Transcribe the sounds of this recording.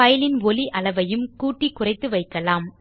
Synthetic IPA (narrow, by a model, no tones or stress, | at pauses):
ɐjlɪnʋɔliʔɐlɐʋɐjɯmkuːʈːikːʊrɐɪt̪ːɯʋɐɪkːɐlaːm